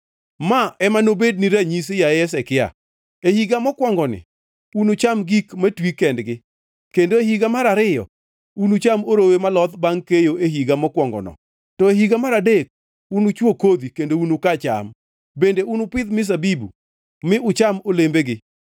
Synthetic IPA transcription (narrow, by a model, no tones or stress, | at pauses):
maɛmanobed̚niɾaɲis̬jaɛs̬ɛkɪa̰ | ehiɡamɔkwɔŋɡɔnɪ̰ | unʊt͡ʃamɡikmatwikɛndɡɪ | kendoehiɡamaɾaɾɪjɔ̰ | unut͡ʃamoɾowemalɔt̪baŋkejoeɦiɡamɔkwɔŋɡɔ̰nɔ̰ | tɔeɦiɡamaɾadek̚ | unut͡ʃwokod̪ikendounukat͡ʃa̰m | bendeunʊpɪd̪mɪs̬abibṵ | mɪʊt͡ʃamolembeɡɪ